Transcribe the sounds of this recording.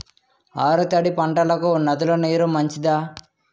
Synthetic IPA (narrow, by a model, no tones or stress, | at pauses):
aːɾut̪ɐɽipɐɳʈɐlɐkunɐd̪uloneːɾumɐɲt͡ʃid̪aː